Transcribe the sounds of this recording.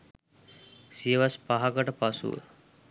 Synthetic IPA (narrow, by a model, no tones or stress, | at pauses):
siʋaspaɦakəʈəpasṵ